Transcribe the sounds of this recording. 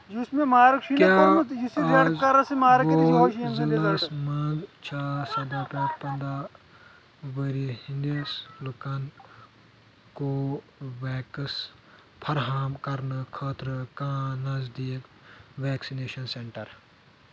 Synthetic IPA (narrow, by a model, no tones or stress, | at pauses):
d͡ʒusmẽmaːɾəkʃikad͡ʒisiɐzkɐɾasemaːɾɐkʃzɐlasmɐ̃ɡt͡ʃʰaːsɐd̪aːpɛːkpɐ̃nd̪a | ʋəɾihĩnd̪islukɐn | ko | ʋɛːkəs | pʰɐɾɦaːmkɐɾnɨkʰaːt̪ɾɨkãːnɐzd̪iːk | ʋɛːksineːʃɐnseɳʈɐɾ